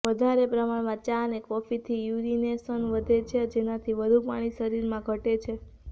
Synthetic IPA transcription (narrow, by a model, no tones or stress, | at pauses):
ʋəd̪ʱaɾepɾəmaɭmãt͡ʃanekɔfit̪ʰijuɾinesənʋəd̪ʱet͡ʃʰed͡ʒenat̪ʰiʋəd̪ʱupa̰ɽ̃isəɾiɾmãɡʱəʈet͡ʃʰe